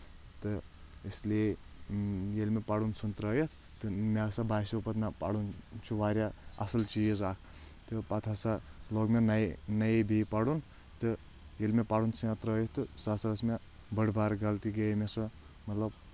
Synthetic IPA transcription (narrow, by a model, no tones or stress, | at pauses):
t̪ɨ | islie | jelmepɐɽunt͡sʰunt̪ɾɐːjet̪ʰ | t̪ɨmesabajsipɐt̪nɐpa̰ɽunt͡ʃʰuʋaːɾʲaɐ̰sɐlt͡ʃijezaːkʰ | t̪ɨpɐt̪ʰasaloɡmenɐnɐjebipɐɽun | t̪ɨ | jelmepaɽunt͡sʰɨjãt̪ɾəːjet̪t̪ːɨsasɐsme | bəɽbaːɾɡɐlt̪iɡɐjmesɐ | mɐt̪lɐb